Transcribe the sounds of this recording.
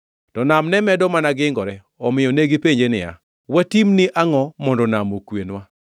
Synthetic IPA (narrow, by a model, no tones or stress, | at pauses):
tɔnamnɛmɛdɔmanaɡɪŋɡɔɾɛ | ɔmɪjɔneɡipeɲd͡ʒenɪja̰ | watimnɪʔaŋɔmɔndɔnamokwenwa